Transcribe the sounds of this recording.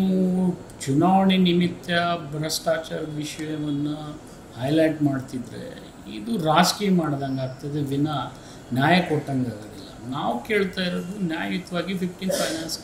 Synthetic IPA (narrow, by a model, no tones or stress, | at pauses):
ut͡ʃunaːʋɐɳinimit̪jɐbɾɐsʈaːt͡ʃɐɾʋiʃɐjɐʋɐnːu | hɐjlɐjʈmaːɖt̪id̪ɾḛ | ḭd̪uɾaːskimaːɽd̪aŋɡaːɡt̪id̪eʋinɐ | njaːjɐkɔʈːɐŋɡaːɡɐd̪ḭlːɐ̰naːʋke̞ːɭt̪aːjiɾod̪unjaːjit̪ʋaːɡipʰipʈinpʰɐjnaːns